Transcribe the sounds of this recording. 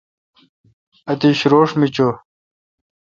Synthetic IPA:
ɐt̪iɕɾoːʂmit͡ɕo

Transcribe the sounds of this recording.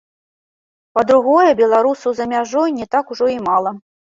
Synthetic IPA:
pɐd̪ɾuɣɔjɐbʲɛlˠaɾusɐwzɐmʲaʐɔjnʲɛt̪akuʐɔimalˠɐ

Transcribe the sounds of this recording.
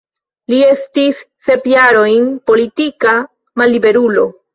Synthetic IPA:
lie̞stisːe̞pjaɾo̞jnpo̞litika | malːibe̞ɾulo̞

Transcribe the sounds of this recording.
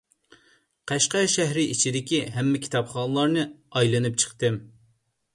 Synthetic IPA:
qʰæʃqɛʃæɦɾɪʔit͡ʃʰid̪ɪkʲiɦɛmːɛkʲʰi̥t̪ʰɑpχɑːnɨlˠɑɾnɨɑjlˠɨnɨp̚t͡ʃʰə̥χt̪ɨm

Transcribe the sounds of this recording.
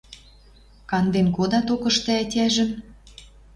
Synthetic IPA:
kɑnd̪enkod̪ɑt̪okɤ̆ʃt̪ĕætʲæʒə̆m

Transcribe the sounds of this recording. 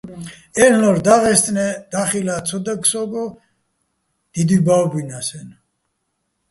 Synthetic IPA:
ɛnlɔɾd̪aʁɛst̪ʼnɛd̪̥aχilat̪sʰɔd̪ɛksɔɡɔ | d̪̥id̪ibawbinasɛn

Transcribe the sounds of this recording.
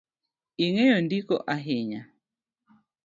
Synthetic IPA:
iŋejondikɔ̰ʔaɦɪɲa

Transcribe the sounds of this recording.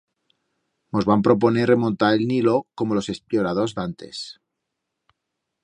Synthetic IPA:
mozβampɾo̞p̬o̞neremõnt̪aɾelnilokomolo̞se̞spjoɾaðozðant̪e̞̰s

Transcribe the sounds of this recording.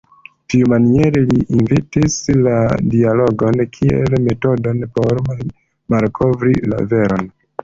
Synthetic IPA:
tiumanieɾeliʔinvitisladialo̞ɡo̞nkʰiḛlme̞to̞do̞npo̞ɾ | malkʰo̞vɾila̰ve̞ɾo̞n

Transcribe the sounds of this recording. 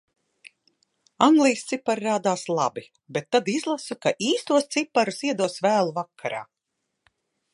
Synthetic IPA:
aŋɡlˠiːst̪sipːaɾɾaːd̪aːslˠa̰bi | bet̪ːad̪izlˠasukaʔiːst̪uɔst̪sipːaɾusiɛd̪uɔsvæːlˠuvakʰːaɾa̰ː

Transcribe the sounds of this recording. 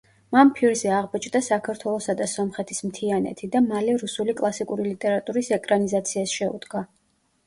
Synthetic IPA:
mampʰiɾzɛaʁbɔt͡ʃʼd̪asakʰaɾt̪ʰwɛlˠɔsad̪asɔmχɛt̪ʰismt̪ʰianɛ̰t̪ʰid̪amalɛɾusulikʼlˠasikʼuɾilit̪ʼɛɾat̪ʼuɾisɛkʼɾanizat̪sʰiasʃɛṵd̪̥ɡa

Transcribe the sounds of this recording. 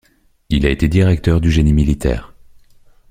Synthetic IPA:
ilaet̪ed̪iʁɛk̚t̪œʁd̪yʒenimilit̪ɛ̰ːʁ

